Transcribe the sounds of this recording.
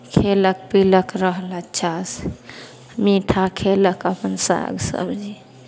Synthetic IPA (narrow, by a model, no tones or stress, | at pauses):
kʰelək̚piləkɾəɦlət͡ʃʰas | miʈʰakʰeləkəpənsa̰ɡsə̰bʱd͡ʒi